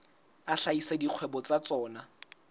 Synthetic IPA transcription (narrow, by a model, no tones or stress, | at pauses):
aɬaisediq͡χʰwɛbɔt͡sat͡sɔːna